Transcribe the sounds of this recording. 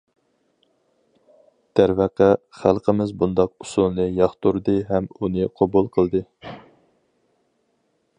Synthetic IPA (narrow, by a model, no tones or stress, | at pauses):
d̪̥ʰæɾvæqæχælˠqʰəmɪzbund̪ɑq̚usulˠnɨjɑχt̪uɾd̪ɨɦɛmunɨqʰobulˠqʰəlˠd̪ɨ